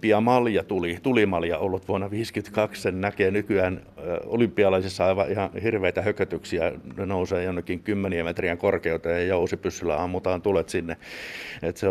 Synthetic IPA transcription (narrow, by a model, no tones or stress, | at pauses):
piɑmɑljɑt̪ulit̪ulimɑljɑolːut̪ʋuɑnːɑʋiːskyt̪kɑkssennækeːnykyæːn | o̰lympːˑiɑlɑisisːɑɑiʋɑʔihɑhirʋeit̪æhøkøt̪yksiænnouseːjonːekːiŋkymːeniæmet̪riæŋkorkeut̪ɑɑjousipysːylːæ̰ɑmːut̪ɑːnt̪ulet̪sinːeet̪se